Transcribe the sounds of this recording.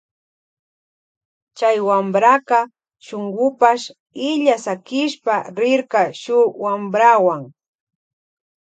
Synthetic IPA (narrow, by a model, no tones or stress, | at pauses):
t͡ʃajwambɾakɑ | ʃoŋɢʊpaʃ | ɪʎasakɪʃpaɾɪɾkaʃʊwambɾawaŋ